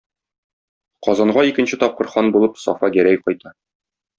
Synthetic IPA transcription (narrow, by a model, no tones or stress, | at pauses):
qɒzɑɴɢɑikɘ̆nɕɘt̪ɒp̚qɤ̆ɾχɑnbulˠɤpsɒ̰fɑjæɾæjqɒjt̪ɑ